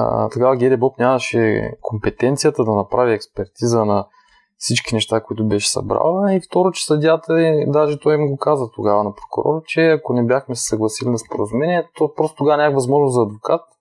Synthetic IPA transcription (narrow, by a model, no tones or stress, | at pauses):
t̪ɐɡavɐɡʲɛɾɛbɔpnʲamɐʃɛ̰kʰompɛt̪ɛnt̪sijət̪əd̪ɐnɐpɾaviɛkspɛɾt̪izənɐ | fsit͡ʃkinɛʃt̪akoit̪ʊbɛʃɛ̥sɐ̰bɾa̰lˠəift̪ɔɾʊt͡ʃɛ̥sɐd̪ʲjat̪ɐd̪aʒɛt̪ɔjimɡokazət̪oɡavənɐpɾokʊ̰ɾɔ̰ɾət͡ʃɛɐkonɛbjaxmɛsɛ̥sɐɡlˠɐsilinɐspoɾəzumɛniɛt̪opɾɔst̪ot̪oɡavɐnʲakvɐzmɔʒnoszɐːd̪vokat̪̚